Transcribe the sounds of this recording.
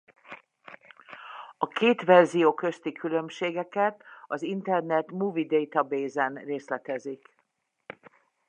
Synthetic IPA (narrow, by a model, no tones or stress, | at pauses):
ɒkʰeːt̪ʋɛrzijoːkø̞st̪ikʰylømʃeːɡɛkɛt̪ɒzint̪ɛrnɛt̪muːvid̪ejt̪ɒbeːzɛnreːslɛt̪ɛzik